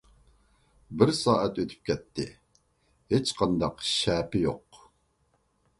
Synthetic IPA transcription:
bɪɾsɑːʔɛt̪øt̪ʰy̥p̚kʲʰɛt̪ʰːɪ̰ | het͡ʃqʰɑnd̪ɑqʃɛːpɪjo̰q

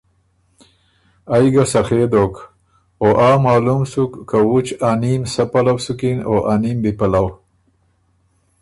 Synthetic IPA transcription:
ajɡasaxed̪ok | oʔamaːlumsukːawut͡ʃanimsapalawsukinoʔanimbipalaw

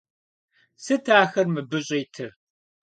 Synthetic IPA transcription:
sɨtʰaːxɐrmɨbɨɕʼejtʰɨr

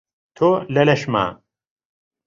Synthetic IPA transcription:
t̪ʰolɐlɐʃma̰ː

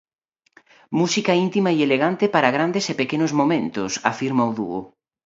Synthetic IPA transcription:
musikɐint̪imaieleɣant̪epaɾɐɣɾand̪esepekenʊzmomẽnt̪ʊsa̰fiɾmawðṵʊ

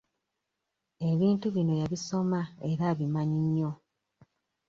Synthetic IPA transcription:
e̞βiːntuβino̞jaβiso̞mae̞ɾaβimaɲiɲːo̞

